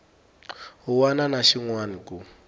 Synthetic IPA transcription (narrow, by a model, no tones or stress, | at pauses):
ɦuwananaʃiŋwanikʼu